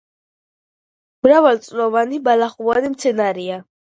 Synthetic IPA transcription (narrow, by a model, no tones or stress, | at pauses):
mɾavalt̪sʼlɔvanibalaχuvanimt̪sʰɛnaɾia